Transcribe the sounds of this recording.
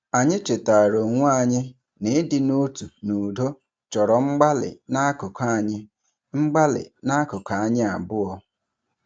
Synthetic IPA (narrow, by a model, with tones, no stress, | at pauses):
a˨ɲɪ˦t͡ʃe˨ta˨ɾo˨ŋʷu˦a˨ɲɪ˦ | nɪ˨˦dɪ˨no˦tu˨nu˨do˦ | t͡ʃɔ˨ɾɔ˨ŋ͡m̩˦ɡ͡ba˦lɪ̰˨na˦kʊ˨kʰa˦˨ɲɪ˦ | ŋ͡m̩˦ɡ͡ba˦lɪ̰˨na˦kʊ˨ka˨a˨ɲɪ˦a˨bʊ˦ɔ˦